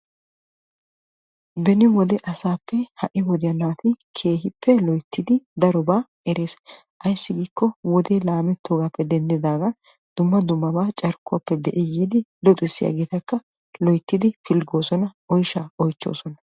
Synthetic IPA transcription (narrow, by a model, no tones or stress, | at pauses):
bɛnɪwɔd̪ɛʔɐsaːpːɛhɐʔɪwɔd̪ɪjɐnaːt̪ɪkʰe̞ːɦɪpʰːɛlɔjt̪ʰːɪd̪ɪd̪ɐɾɔbaː | ɛɾe̞ːs | ʔɐjsːɪɡiːkːɔwɔd̪eːlaːmɛt̪ʰːoːɡaːpːɛd̪ɛnd̪ɪd̪aːɡɐ | d̪̥ʊmːɐd̪ʊmːɐbaːt͡ʃʼɐɾkːʊɐpːɛd̪ɛʔɪjiːd̪ɪlɔt̪ʼʊɪsːɪja̰ːɡeːt̪ɐkːɐ | lɔjt̪ːɪd̪ɪfɪlɡo̞ːsɔnɐ | ɔjʃaɔjt͡ʃːo̞̰ːsɔnɐ